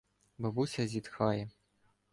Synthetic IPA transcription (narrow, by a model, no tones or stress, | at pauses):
bɐbusʲad͡zʲit̪xajɛ